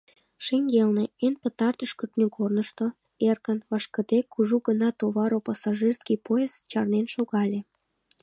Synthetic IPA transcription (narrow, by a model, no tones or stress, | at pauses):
ʃeŋɡelneenpət̪ɑrt̪əʃkət̪nʲəkornəʃt̪o | erkənβɑʃkə̆d̪ekːuʒuɣənɑt̪oβɑɾopɑsɑʒirskijpoezt͡ɕɑrnenʃoɣɑlʲe